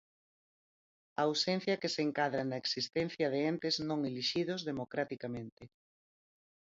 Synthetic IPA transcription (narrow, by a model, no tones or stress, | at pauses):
ɐwsen̟θjɐkeseŋkaðɾanɐeksist̪ẽn̟θjɐðeent̪ɪeznõŋeliʃiðozðemokɾat̪ikamẽnt̪ɪ